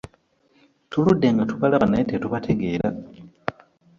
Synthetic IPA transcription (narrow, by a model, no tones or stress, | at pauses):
tuludːeŋɡatuβalaβanaetetuβatʰe̞ɡe̞ːɾa